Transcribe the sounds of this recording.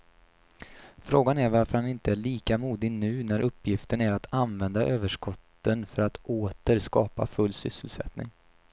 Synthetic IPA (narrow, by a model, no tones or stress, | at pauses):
fɾoːɡanæɾvaɾfœɾhanɪnt̪əæɭiːkamuːd̪ɪnʉ̟ːnæɾʔɵpːjɪft̪əɳæɾat̪anvɛnd̪aʔøːvəʂkɔt̪ʰːənfœɾat̪oːt̪əɾskɑːpa̰fɵlːsʏsːəlsɛ̰t̪nɪ̰ŋ